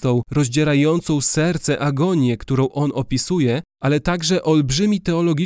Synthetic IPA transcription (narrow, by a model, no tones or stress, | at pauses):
t̪ɔ̃w̃ɾɔʑd͡ʑɛɾajɔnt̪sɔ̃w̃sɛɾt̪sɛʔaɡɔɲjɛkt̪uɾɔ̃w̃ʔɔnɔpʲisujɛʔalɛt̪aɡʐɛʔɔlbʐɘmʲit̪ɛɔlɔɡʲi